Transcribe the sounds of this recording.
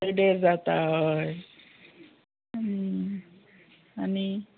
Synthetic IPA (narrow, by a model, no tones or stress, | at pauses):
ɾɖeɾd͡zat̪aɦəj | ani